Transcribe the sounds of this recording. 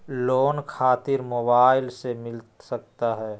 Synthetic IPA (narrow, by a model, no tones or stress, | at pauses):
loːnkʰaːt̪ɪɾmoːbaːɪlsemɪlsək̚t̪aɦɛː